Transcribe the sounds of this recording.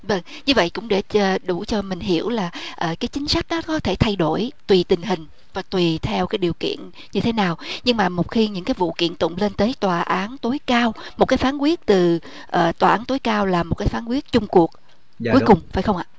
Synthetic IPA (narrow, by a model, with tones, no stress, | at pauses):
və˧ŋ | ɲɨ˧və̰˧˨jkʊ̰˧˥ŋ͡mɗe˧˩əː˨˩ɗu˧˩t͡ɕɔ˧mï˨˩ŋ̟ɦi˧˩˥əwlaː˨˩ʔəː˨˩kaː˨˦jt͡ɕï˨˦ŋ̟sa˦˥k̟̚ɗɔ˨˦kɔ˨˦t̪ʰe˧˩t̪ʰa˧jɗo˧˩jt̪wi˨˩t̪ï˨˩ŋ̟ɦï˨˩ŋ̟ | vaː˨˩t̪wi˨˩t̪ʰɛ˧wkaː˨˦jɗi˨˩əkḭ˧˨ən | ɲɨ˧e˨˦naː˨˩wɲɨ˧ŋmaː˨˩mo˨˩t̚xi˧ɲɨ̰˧˥ŋkaː˨˦jvṵ˧˨kḭ˧˨ənt̪ʊ̰˧˨ŋ͡mle˧nt̪əː˨˦jt̪waː˨˩ʔaː˨˦nt̪o˨˦jkaː˧wmo˨˩t̚kaː˨˦jfaː˨˦nkwi˦˥ət̚t̪ɨ˨˩ | ʔəː˨˩t̪waː˨˩ʔaː˨˦nt̪o˨˦jkaː˧wlaː˨˩mo˨˩t̚kaː˨˦jfaː˨˦nkwi˦˥ət̚t͡ɕʊ˧ŋ͡mku˨˩ək̚ | kku˨˦jkʊ˨˩ŋ͡mfa̰ː˧˩jxə˧wŋ͡mʔa̰ː˧˨